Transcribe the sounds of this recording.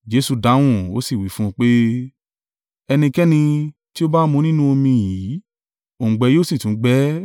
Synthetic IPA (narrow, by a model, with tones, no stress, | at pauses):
d͡ʒe˨˦su˧da˨˦w̃ũ˦˨o˦si˦˨wi˨˦fũ˦˧k͡pe˦ | ɛ˧nĩ˧kɛ˦nĩ˧ti˦o˦ba˦mũ˧nĩ˦nũ˦o˧mĩ˧ji˨˦ | õ˨ɡ͡bɛ˨˧˦joː˦˨si˦˨tũ˨˦ɡ͡bɛ˦